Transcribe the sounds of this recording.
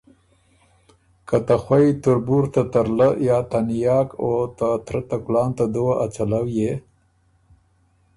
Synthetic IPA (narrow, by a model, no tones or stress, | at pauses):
kat̪axwajt̪ʊɾbuɾt̪at̪aɾləjɑt̪anjɑːkot̪at̪ɾat̪aklɑːnt̪ad̪uwaʔat͡ʃalawje